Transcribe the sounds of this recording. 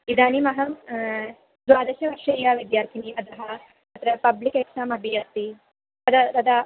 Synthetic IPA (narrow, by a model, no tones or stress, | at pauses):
id̪aːnimɐɦɐm | d̪waːd̪ɐʃɐʋɐɾʃɐjaːʋid̪jaːɾt̪ʰiniʔɐt̪ɐɦɐ | mɐt̪ɾɐpɐblikeksaːmɐbʱijɐt̪ːi | ɐd̪ɐt̪ɐd̪ɐ